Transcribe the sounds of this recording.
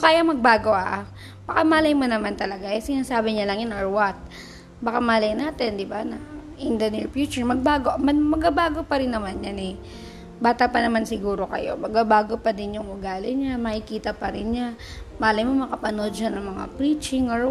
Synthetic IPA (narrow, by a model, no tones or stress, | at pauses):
kaːjamɐɡ̚baːɡo̞ʔɐʔ | bɐkamaːlɐjmonɐmant̪ɐlɐɡajɛsɪnaːsaːbɪɲalɐŋjɐnoɹwɐt̪̚ | bɐkamaːlɐjnaːt̪ɛnd̪ɪbanɐʔɪnd̪ɐnɪɹfjut͡ʃɛɹmɐɡ̚baːɡoʔmɐmɐɡabaːɡo̞pɐɾɪnːɐmanjanɛ | baːt̪ɐpɐnɐmansɪɡuːɾo̞kɐ̰jo̰mɐɡabaːɡo̞pɐd̪ɪnjʊŋʊɡaːlɪɲamɐhɪkiːt̪ɐpɐɾɪnɲamaːlɐjmomɐkɐpɐnod̪̚ʃanɐŋmɐŋa̰pɹiːt͡ʃɪŋo